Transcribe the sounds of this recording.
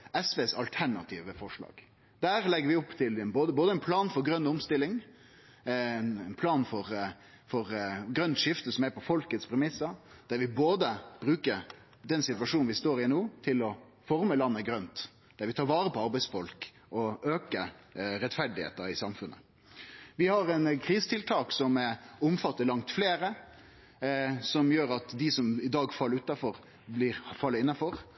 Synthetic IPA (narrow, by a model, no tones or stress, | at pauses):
ɛsʋeːsɑ̰lt̪ʰæɳɑt̪ʰiːʋəfɔʂɭɑ̰ːɡ̥ | d̪̥æːɾlɛɡːəɾʋɪɔpːt̪ʰɪlɛnboːd̪əboːd̪əɛnpʰlɑːnfɔɾɡɾœnːʊmst̪ɪlːɪŋ | ɛnɛnpʰlɑːnfɔɾ | fɔɾɡɾœnt̪ʂɪft̪əsɔmæɾpɔfɔlkət̪spʰɾɛmɪsːɑd̪̥æɾʋɪboːd̪əb̥ɾʉːkə | d̪ɛnsɪt̪ʋɑʂuːnʋɪst̪oːɾɪɛnuːt̪ʰɪlɔ | fɔɾməlɑnːəɡɾœnt̪ | d̪̥æɾʋɪt̪ʰɑːʋɑːɾəpɔɑɾbæɪsfɔlk | ɔøːkəɾɛt̪fæɖɪhḛːt̪əɾɪsɑmfʉnʔə̰ | ʋɪhɑɾɛnkʰɾiːsə̥t̪ʰɪlt̪ʰɑːksɔmʊmfɑt̪ːəɾlɑŋt̪fleːɾə | sɔmjøːɾɑt̪d̪ɪsɔmɪd̪ɑːɡfɑlːəʉːt̪ɑfɔɾ | blɪɾfɑlːəɪnːɑfɔɾ